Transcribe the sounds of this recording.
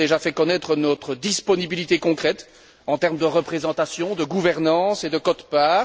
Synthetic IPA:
eʒafɛkɔnɛt̪χənɔt̪χəd̪ispɔnibilit̪ekɔ̃kχɛt̪ | ɑ̃t̪ɛʁmd̪əʁəpχezɑ̃t̪asjɔ̃d̪əɡuvɛʁnɑ̃sed̪əkɔt̪paː

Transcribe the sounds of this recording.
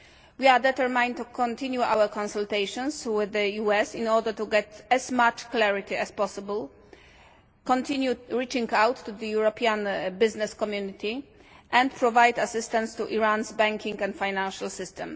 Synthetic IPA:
wiad̪ɛt̪əɹmãj̃nt̪ukʰɔ̃nt̪ĩnjuʔa̰wəkɔ̃nsult̪ejʃɔ̃nswɪðəjuɛsĩnɔɹdət̪uɡɛt̪ɛzmat͡ʃklɛɹit̪iɛspɔsɪbəl | kɔ̃nt̪ĩnjuɹit͡ʃĩŋɡawt̪ʰːuðəjuɹɔpiãnbɪznɛskɔmjunit̪ʰi | ʔɛ̃nt̪pʰɹɔvajd̪asɪst̪ãntst̪uʔiɹãnzbɛ̃ŋkĩŋkɛ̃nt̪fajnãnʃalsɪst̪ɛ̃m

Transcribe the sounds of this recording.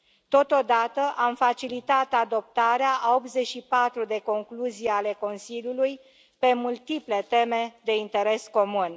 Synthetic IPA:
t̪o̞t̪o̞d̪at̪əʔamfat͡ʃilit̪at̪ad̪o̞p̚t̪aɾeaʔao̞p̪ze̞t͡ʃʃipat̪ɾud̪e̞ko̞ŋkluzijale̞ko̞nsiljuluj | pe̞mult̪iple̞t̪e̞me̞d̪e̞int̪e̞ɾe̞sko̞mun

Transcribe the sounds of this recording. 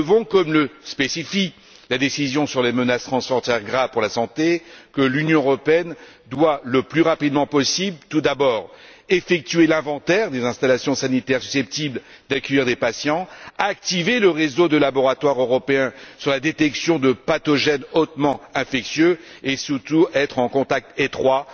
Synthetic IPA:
vɔ̃kɔmləspesifik | lad̪esizjɔ̃syʁlemənast̪χɑ̃sfɔʁt̪ɛʁɡʁavpuʁlasɑ̃t̪ekəlynjɔ̃əʁɔpeɛn | d̪waləplyʁapid̪mɑ̃pɔsiblt̪ud̪abɔːʁefɛk̚t̪ɥelɛ̃vɑ̃t̪ɛʁd̪ezɛ̃st̪alasjɔ̃sanit̪ɛʁsy̥sɛp̚t̪ibl | d̪akʲœiʁd̪epasjɑ̃aːk̚t̪iveləʁezod̪əlabɔʁat̪waʁøʁɔpeɛ̃syʁlad̪et̪ɛksjɔ̃d̪əpat̪ɔʒɛnot̪mɑ̃ɛ̃fɛksjøesyʁt̪uɛt̪χɑ̃kɔ̃t̪ak̚t̪et̪χwa

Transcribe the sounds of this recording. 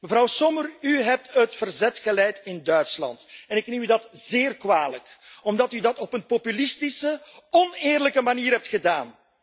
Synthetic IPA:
məvɾɑwsɔməryɦɛp̚tətfərzɛtxəlɛjtɪndœɥtslɑ̰ntɛnɪknemydɑtz̥eːrkwaːləkɔmdɑtydɑtɔpənpopylɪstɪsəɔnɪːrləkəmaniːɾɦɛp̚txədaːn

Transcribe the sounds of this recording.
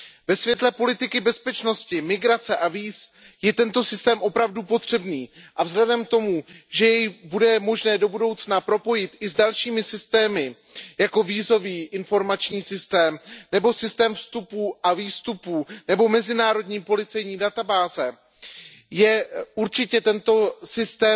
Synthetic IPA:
vɛsvjɛt̪lɛpo̞lɪt̪ɪkɪbɛspɛt͡ʃno̞scɪmɪɡɾat͡sɛʔaviːs | jɛt̪ɛnt̪o̞sɪst̪ɛːmʔo̞pɾavdupo̞t̪r̝̥ɛbniːʔavzlɛdɛmt̪o̞muʒɛjɛjbudɛmo̞ʒnɛːdo̞budo̞wt͡snapɾo̞po̞jɪt̪ʔɪzdalʃiːmɪsɪst̪ɛːmɪ | jako̞viːzo̞viːʔɪnfo̞ɾmat͡ʃɲiːsɪst̪ɛːmnɛbo̞sɪst̪ɛːmfst̪upuːʔaviːst̪upunɛbo̞mɛzɪnaːɾo̞dɲiːpo̞lɪt͡sɛjɲiːdat̪abaːzɛ | jɛuɾt͡ʃɪcɛt̪ɛnt̪o̞sɪst̪ɛː

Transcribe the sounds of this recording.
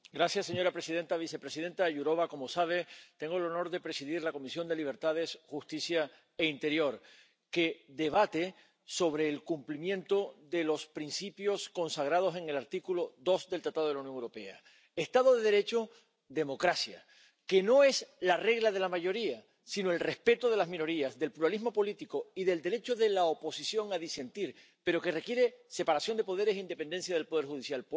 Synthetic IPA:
ɡɾasjasːe̞ɲo̞ɾapɾesiðe̞nt̪aβ̞ise̞pɾe̞siðe̞nt̪aʝuɾo̞β̞ako̞mosaβ̞e̞t̪eŋɡo̞elo̞no̞ɾðe̞pɾe̞siðiɾlako̞misjo̞nd̪e̞liβ̞e̞ɾt̪að̞e̞sxust̪isja | eint̪e̞ɾjo̞ɾ | ke̞ðe̞βat̪e̞ | so̞βɾe̞ːlkumplimjẽ̞nt̪o̞ðe̞lo̞spɾinsipjo̞skõ̞nsaɣ̞ɾað̞o̞se̞ŋe̞laɾt̪ikulo̞d̪o̞zdelt̪ɾat̪aðo̞ð̞eaunjoŋewɾo̞pe̞a̰ | est̪aðo̞ðe̞ðe̞ɾe̞t͡ʃo̞ | d̪e̞mo̞kɾasja̰ | ke̞no̞e̞slare̞ɣlaðe̞lamaʝo̞ɾia | sinoe̞lre̞hspe̞t̪oð̞e̞lazmĩno̞ɾiazðe̞lpluɾalizmo̞po̞lit̪iko̞iðe̞ld̪e̞ɾe̞t͡ʃo̞ðe̞laopo̞sisjo̞ŋaðise̞nt̪iɾ | pe̞ɾo̞ke̞re̞kje̞ɾe̞se̞paɾasjond̪e̞po̞ð̞e̞ɾe̞sind̪e̞pe̞nd̪e̞ns̬jað̞elpo̞ð̞e̞ɾxuðisjal

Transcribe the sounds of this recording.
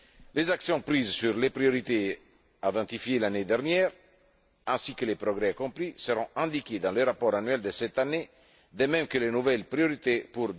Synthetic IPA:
lezaksjɔ̃pɾizsyʁlepɾioɾit̪e | ad̪ɑ̃t̪ifjelaned̪ɛʁnjɛːʁ | ɛ̃sikəlepɾɔɡɾɛakɔ̃plisəʁɔ̃ʔɛ̃d̪ikʲed̪ɑ̃ləɾapɔʁanɥɛld̪əsɛt̪ane | d̪əmɛ̃mkəlenuvɛlpɾioɾit̪epuɾ

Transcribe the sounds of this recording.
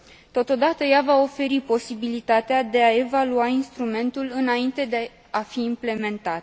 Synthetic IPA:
t̪o̞t̪o̞d̪at̪əjavao̞fe̞ɾipo̞sibilit̪at̪ead̪e̞ae̞valuainst̪ɾume̞nt̪ulɨnaint̪e̞d̪e | afiːmple̞me̞nt̪at̪

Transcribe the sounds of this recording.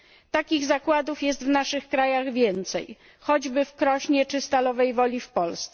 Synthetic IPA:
t̪akʲiɣzakwad̪ufjɛst̪vnaʂɘxkɾajaɣvʲjɛnt̪sɛ̰j | xɔd͡ʑbɘfkɾɔɕɲɛt͡ʂɘst̪alɔvɛjvɔlʲifpɔlst̪sɛ

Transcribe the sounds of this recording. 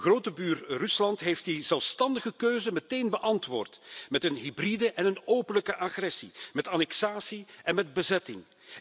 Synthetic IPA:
ɣroːtəbyːrrʏslɑntɦeːftdizɛlˠfstɑndəɣəkøːzəməteːnbəʔɑntʋoːrtmɛtənɦibridəʔɛnənoːpənləkəʔaxrɛsimɛtaːnɛksaːsiɛnmɛd̚bəzɛtɪ̰ŋ

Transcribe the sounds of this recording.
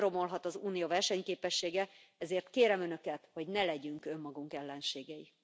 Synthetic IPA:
ro̞mo̞lɦɒt̪ɒzuːnijovɛrʃɛɲkeːpɛʃːeːɡɛɛzeːrt̪keːɾɛmønø̞kɛt̪ho̞ɟnɛlɛɟyŋkø̞mːɒɡuŋkɛlːɛnʃeːɡɛji

